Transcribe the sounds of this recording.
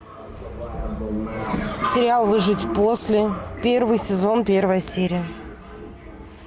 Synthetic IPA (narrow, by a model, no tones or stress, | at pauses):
sʲɪɾʲɪalˠvɨʐɨtʲpo̞sʲlʲɪpʲe̞rvɨjsʲɪzo̞npʲe̞rvəjəsʲeɾʲɪjə